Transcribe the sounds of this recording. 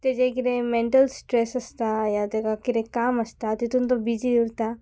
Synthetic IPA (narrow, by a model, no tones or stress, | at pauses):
t̪ed͡ʒekiɾemẽɳʈəlsʈɾeːsɐst̪ajat̪ekakiɾẽkaːmɐst̪at̪it̪unt̪õbid͡ʒiʊɾt̪aː